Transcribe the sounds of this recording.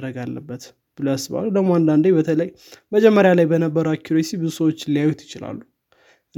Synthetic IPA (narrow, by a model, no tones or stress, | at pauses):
ɾəɡalːə̰bːət̪ | b̥ɨloasːɨβa̰ld̪əɡmoand̪and̪ejbət̪ʰələjː | məd͡ʒɛmːəɾjalajbənəbːəɾəakʰːiɾesibɨzusəwot͡ʃːlijajut̪jɪt͡ʃɪla̰lːu